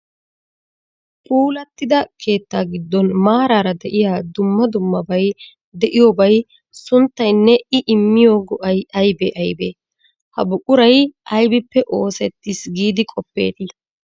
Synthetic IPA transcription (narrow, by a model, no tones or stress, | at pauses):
kʼuːlɐt̪ːɪd̪ɐkʰe̞ːt̪ːaːɡɪd̪ːɔnmaːɾaːɾɐd̪ɛʔɪjaːd̪ʊmːɐd̪ʊmːɐbɐj | d̪ɛʔɪjoːbɐj | sʊnt̪ːɐjnːɛɪʔɪmːɪjoːɡɔʔɐjɐjbeʔɐjbḛː | hɐ̰bʊkʼʊɾɐjʔɐjbɪpːɛʔo̞ːsɛt̪ːisɡiːd̪ɪkʼɔpːḛːt̪ɐ